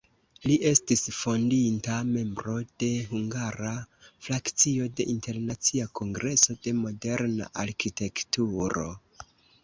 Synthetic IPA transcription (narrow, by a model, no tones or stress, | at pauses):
liʔe̞stisfo̞ndintame̞mbɾo̞d̥e̞ɦuŋɡaɾaflakt͡sio̞de̞ʔinte̞ɾnat͡siakʰo̞ŋɡɾe̞so̞de̞mo̞de̞ɾna̰ʔaɾkite̞ktuɾo̞̰